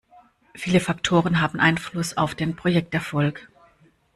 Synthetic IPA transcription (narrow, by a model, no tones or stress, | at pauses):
fiːləfaktʰoːʁ̞ənɦaːbm̩ʔaɪnflʊsaʊfd̥eːnpʁ̥ojɛk̚tɛɐfɔlk